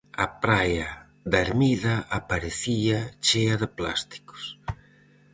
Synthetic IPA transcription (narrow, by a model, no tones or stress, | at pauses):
apɾaja | ðaeɾmiðɐʔapaɾeθiat͡ʃeɐðɪpla̰st̪i̥kʊ̥s